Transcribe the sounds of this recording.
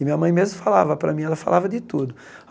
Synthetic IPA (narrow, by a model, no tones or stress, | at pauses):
mĩɲɐmɐ̃j̃mezmʊfalavɐpɾɐmĩɛlɐfa̰lʔavɐd̪ɪt̪ud̪ʊ